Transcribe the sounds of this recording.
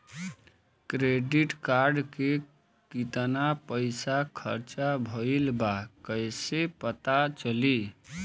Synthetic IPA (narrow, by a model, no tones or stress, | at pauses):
kɾeɖiʈkaɾɖke | kit̪napəjsakʰə̰ɾt͡ʃabʱəjlbakəjsepət̪at͡ʃəli